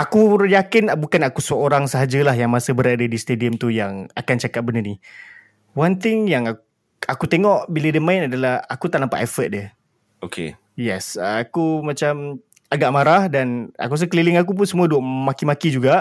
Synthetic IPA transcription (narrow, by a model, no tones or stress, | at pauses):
akujakɪnbukanakusəoɾaŋsəɦad͡ʒalahɦjaŋmasəbəɾadadist̪ediəmt̪ujaŋakant͡ʃakat̪̚bənəni | want̪ɪŋjaŋa | akut̪eŋɔʔbilədəmãɪnadalahakut̪aʔnampaʔɛfət̪̚də | okʰḛ | jɛsəakumat͡ʃam | aɡaʔmaɾahdana̰kas̬əkəlilɪŋak̬up̬ʊnsəmũaduəʔmakimakid͡ʒuɡaʔ